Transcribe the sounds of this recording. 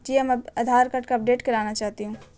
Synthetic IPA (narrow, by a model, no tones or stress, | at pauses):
d͡ʒiɐmɐɐd̪ʱaːɾkɐʈkaɐp̚ɖeːʈkɐɾaːnat͡ʃaːɦt̪iɦũ